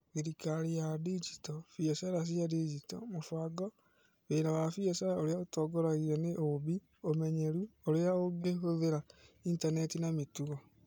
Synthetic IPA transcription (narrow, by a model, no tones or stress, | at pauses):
iɾikaɾijadid͡ʒitɔfiɛsɛɾas̬jadid͡ʒitɔ̰mofaɡɔ | βeɾawafiɛsaɾaoɾeaotɔɡɔɾaɣiɾɛneʔobi | omɛɲeɾuoɾeaoɡeɦoðeɾaintanɛtinametuɣɔ